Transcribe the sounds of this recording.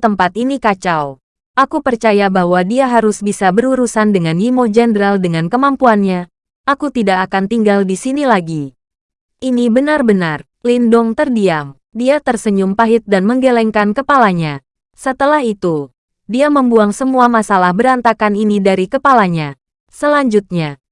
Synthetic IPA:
t̪əmpat̪inikat͡ʃaw | ʔakupərt͡ʃajabahwadiaɦaɾʊsbisabəɾuɾusandəŋanhimod͡ʒɛndəɾaldəŋankəmampuanɲa | ʔakut̪idakːkant̪iŋɡaldisinilaɡi | ʔinibənarbənar | lindɔŋt̪ərdiam | diat̪ərsəɲumpaɦɪt̪̚danməŋɡelɛŋkankəpalaɲa | sət̪əlaɦit̪u | diaməmbuaŋsəmuamasalahbəɾant̪akaninidaɾikəpalaɲa | səlaɲd͡ʒut̪̚ɲa

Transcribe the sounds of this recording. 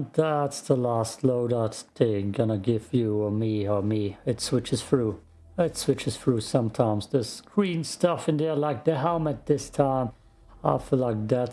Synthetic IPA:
ðætsðəlæstˡloʊɾatðeɡʌnəɡɪv̥jɨəmiə˞miɨtswɪt͡ʃɨz̥fɹu | ɪtswɪt͡ʃɨz̥fɹusʌ̃mtʰãɪ̃mz̥ðɪskʰɹ̥ĩnstʌfɪ̃nðilaɪk̚ðɨɦɛlˠmɨt̪̚ðɪstʰãɪ̃m | aɪfilaɪk̚ðæt

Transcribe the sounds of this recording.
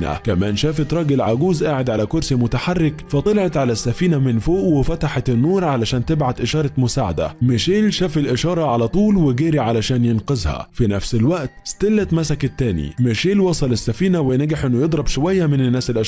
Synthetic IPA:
næ̰kæmæːnʃæːfɪt̪ɾˤɑːɡɪlʕaɡuːzʔaːʕɪd̪ʕalækʊɾsimʊt̪aħarːɪkfɑt̪ˤɑlɑʕɑt̪ʕalæsːæfiːnæmɪnfoːʔwɪfæt̪aħɑt̪ɪnːuːɾˤʕalæʃæːnt̪ɪbʕad̪ʔɪʃɑːɾˤɑmʊsaːʕa̰d̪æ̰mɪʃeːlʃæːfɪlʔɪʃɑːɾˤɑʕalæt̪ˤuːlwɪɡæːɾiʕalæʃæːnjɪnqɑzhæ̰finæfsɪlwæʔt̪st̪ɪlːæt̪mæsækt̪ːæːnḭmɪʃeːlwɑsˤɑlɪsːæfiːnæwɪnæɡaħʔɪnːʊjed̪ˤɾˤɑbʃowæjːæmɪnɪnːæːsɪlʔa

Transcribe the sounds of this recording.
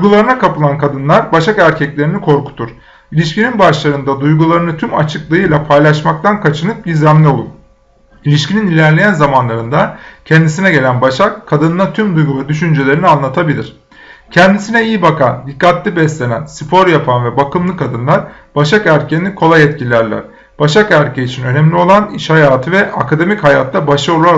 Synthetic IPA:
d̪jɡulˠaɾɯnakapɯlˠankad̪ɯnlˠaɾbaʃakæɾcʰɛclʲe̞ɾinikʰo̞ɾku̥t̪ʰuɾ̥ | ilʲiʃcininbaʃlˠaɾɯnd̪ad̪ujɡulˠaɾɯnɯt̪ʰymat͡ʃʰɯklˠɯɯjlˠapʰajlˠaʃmak̚t̪ʰankʰat͡ʃʰɯnɯp̚ɟiɾzæmlʲio̞lˠuɾ | ilʲiʃcininilʲæɾlʲejænzamanlˠaɾɯnd̪acʰɛnd̪is̬inɛɟe̞lʲænbaʃakʰːad̪ɯnɯnat̪ʰymd̪ujɡuvɛd̪yʃynd͡ʒelʲe̞ɾinianlˠat̪ʰabilʲiɾ̥ | cʰɛnd̪isinɛijibakand̪ikːat̪lʲibɛslʲe̞næ̰nsɯpʰo̞ɾjapʰanvɛbakɯmlˠɯkʰad̪ɯnlˠaɾ | b̥aʃakæɾcʰɛnːʲikʰo̞lˠajɛt̪̚cʰilʲæɾlʲæ̰ɾ̥ | b̥aʃakæɾcʰeit͡ʃʰinø̞nɛmlʲio̞lˠaniʃhajaːt̪ʰɯvɛakʰad̪e̞michajaːt̪d̪abaʃɯolˠa

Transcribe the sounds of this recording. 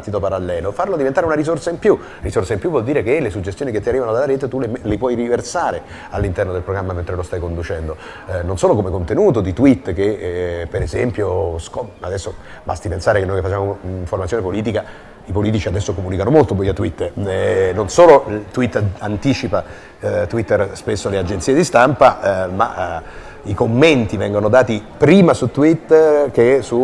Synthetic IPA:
t̪ːit̪opaɾalːɛːlofarlod̪ivent̪aɾeunaɾisorsaimpju | risorsaimpjuvwɔld̪iːɾekelesud͡ʒest̪joːniket̪ːiarːivanod̪alːaɾɛːt̪et̪ulemlepwɔjriversaːɾe | alːint̪ɛrnod̪elpɾoɡɾamːament̪ɾelost̪ajkond̪ut͡ʃɛnd̪o | nonsoːlokomekont̪enuːt̪od̪it̪wit̪ːk̟epeɾezɛmpjoskɔa̰d̪ɛsːo | ba̰st̪ipensaːɾekenojkefat͡ʃːamoiɱformasjonepoliːt̪̬ika | ipoliːt̪it͡ʃiad̪ɛsːokomuːnikanomolt̪obojat̪ːwit̪ːnonsoːlot̪wit̪ːant̪iːt͡ʃipa | t̪wit̪ːerspesːolead͡ʒent̪siːed̪ist̪ampama̰ | ikomːent̪ivɛŋɡonod̪aːt̪ipɾiːmasut̪ːwit̪ːk̟esu

